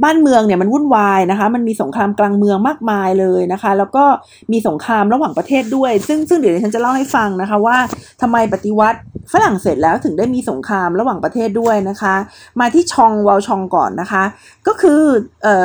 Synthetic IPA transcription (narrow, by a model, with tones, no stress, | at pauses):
baː˥˩nmɯ˧əŋni˥˩ɐma˧nwu˥˩˨nwaː˧jna˦˥kʰa˦˥ma˧nmiː˧so˩˦ŋkʰɾaː˧mklaː˧ŋmɯ˧əŋmaː˥˩k̚maː˧jlɤː˧jna˦˥kʰa˦˥lɛː˦˥wkɔː˥˩ | miː˧so˩˦ŋkʰɾaː˧mɾa˧waː˨˩ŋpɾa˧t̪ʰeː˥˩t̪̚du˥˩əjsɯ˥˩ŋsɯ˥˩di˨˩˦nː˨˧˦t͡ɕʰt͡ɕa˨˩la˥˩wha˥˩jfa˧ŋna˦˥kʰa˦˥waː˥˩t̪ʰa˧mːa˧jpa˨˩t̪i˧wa˦˥t̪̚fa˧la˨˩ŋseː˨˩t̪̚lɛː˦˥wt̪ʰɯ˩˦ŋdaː˥˩jmiː˧so˩˦ŋkʰɾaː˧mɾa˧waː˨˩ŋpɾa˧t̪ʰeː˥˩t̪̚du˥˩əjna˦˥kʰa˦˥maː˧t̪ʰiː˥˩t͡ɕʰɔ˧ŋwa˧wt͡ɕʰɔ˧ŋkɔ̰ː˨˩nːa˦˥kʰa˦˥ʔ | kɔː˥˩kʰɯː˧ʔɤː˨˩